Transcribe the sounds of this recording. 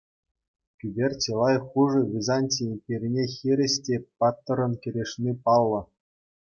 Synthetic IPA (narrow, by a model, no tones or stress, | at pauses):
kʲybʲerʲt͡ɕʲelˠɑjχuʐɤ̆vʲizanʲtʲiimʲpʲerʲinʲexʲiɾʲɘ̆ɕtʲepɑt̪ːɤ̆ɾɤ̆nkʲĕɾʲeʂnʲipɑlˠːɤ̆